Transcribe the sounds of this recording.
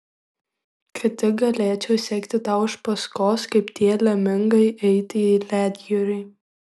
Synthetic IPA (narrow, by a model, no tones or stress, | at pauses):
kʲʰɪt̪ʲɪɡɐlʲeːt͡ʃʲɛʊsʲɛkt̪ʲɪt̪ɑˑʊɪʃpɐskoːskɐɪpt̪ʲiɛlʲɛmʲɪŋɡɐɪʔɛɪt̪ʲɪilʲæːd̪ʲjɛɾʲɪɪ